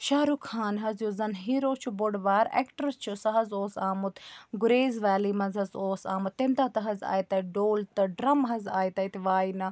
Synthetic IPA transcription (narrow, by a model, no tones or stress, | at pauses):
ʃaːɾukʰaːnɦɐzjuzɐnɦiːɾoːt͡ʃʰuboɽʋaːɾḛːkʈəɾt͡ʃʰusɐɦɐzoːsaːmut̪ɡʊɾeːzʋaːliːmɐnzɦɐzoːsa̰ːmut̪ːemt̪at̪ɐɦɐza̰ːjt̪ɐɖoːlt̪ɐɖɾɐmɦɐzaːit̪ɐit̪iʋaːinɐ